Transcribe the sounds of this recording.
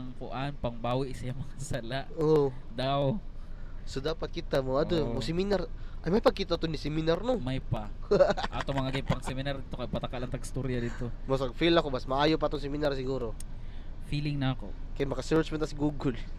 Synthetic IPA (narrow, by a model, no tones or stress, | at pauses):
ɐŋkʊʔanpɐŋbaːwɪʔsajaŋmɐŋasalaʔʔod̪aw | sod̪aːpɐt̪̚kɪt̪amoʔɐd̪omosɪminaɾʔɐjmɐjpɐɡ̚kɪt̪aʔt̪onɪsɛmɪnaɾnomajpɐʔat̪omɐŋaɡɪnpɐŋsɛmɪnaɾd̪iːt̪okɐɡ̚pɐt̪ɐkalɐŋt̪ɐɡst̪uɾjɐd̪iːt̪omɐsɐɡ̚filɐkobɐsmɐʔaːjopaʔt̪oŋsɛmɪnaɾsɪɡuːɾo | filɪŋnɐko̰kɐjmɐkɐsɛɹt͡ʃmɛnɐsɡuːɡʊl